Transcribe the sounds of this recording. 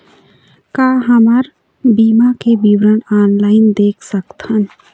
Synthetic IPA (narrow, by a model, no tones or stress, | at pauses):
kaːɦəməɾ | biːmakebiwɾənaːnlaːɪnd̪eːkʰsəkt̪hən